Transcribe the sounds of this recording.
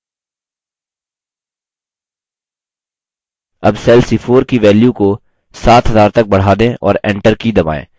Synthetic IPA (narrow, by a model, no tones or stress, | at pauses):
ɐ̰bsɛːlsiːfʰoːɾkiʋɛːljuko | saːt̪ʰɦɐzaːɾt̪ɐk̚bɐɽ̤aːd̪ẽʔɔ̰ːɾɛ̰̃ːɳʈəɾkid̪ɐba̰ːḛ̃ː